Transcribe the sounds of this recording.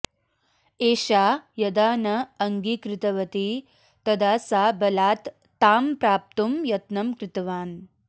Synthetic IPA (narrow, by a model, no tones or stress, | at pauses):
eːʃaːjɐd̪aːnɐːŋɡikɾɪt̪ɐʋɐt̪i | t̪ɐd̪aːsaːbɐlaːt̪ː | aːmpɾaːp̚t̪umjɐt̪nɐmkɾɪt̪ɐʋaːn